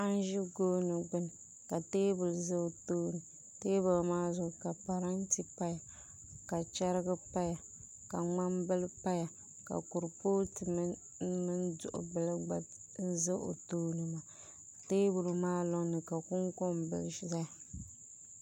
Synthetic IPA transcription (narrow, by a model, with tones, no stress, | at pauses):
a˦n˦ʒi˦ɡoː˦nɨ˨ɡ͡bɨ˦nɨ˨ | ka˨teː˦bʊ˨lzɨ˦˨toː˦nɨ˨ | teː˦ba˨lmaː˦zʊ˦ɡka˨pa˨ɾa˦n˦ti˦pa˦ja˨ | ka˨t͡ʃa˦ɾɨ˦ɡɨ˦pa˦ja˨ | ka˨ŋ͡ma˦mbɨ˦lɨ˦pa˦ja˨ | ka̰˨ku˨ɾpoː˦tɨ˨m˦ | mɨ˦n˦dʊ̰˦˨ʔʊ̰˨bɨ˨lɨ˦ɡ͡ba˨˦ | zɨ˦ʔo̰˨toː˦nɨ˨ma˨ | teː˦bʊ˨lu˨maː˦lɔ˦ŋnɨ˨ka˨kʊ˦ŋko˦m˨bɨ̰˨lʃza˦˨